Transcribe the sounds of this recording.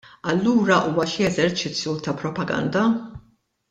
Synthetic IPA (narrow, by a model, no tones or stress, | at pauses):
ɐlːuːɾɐʔuːwɐʃiɛzɛɾt͡ʃɪt͡sːjut̪ɐpɾɔpɐɡɐ̰nd̪ɐ